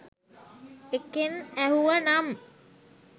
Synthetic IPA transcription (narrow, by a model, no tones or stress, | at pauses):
ekenæɦuʋənam